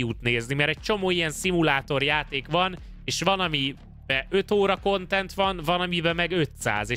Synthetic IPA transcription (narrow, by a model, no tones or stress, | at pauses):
uːt̪neːznimɛɾɛc̚t͡ʃo̞moːijɛnsimulaːt̪o̞rjaːt̪eːkʋɒn | eːʃʋɒnɒmi | bɛʔø̞t̪oːɾɒko̞nt̪ɛnt̪ʋɒnvɒnɒmibɛmɛɡø̞t̪sa̰ːzeː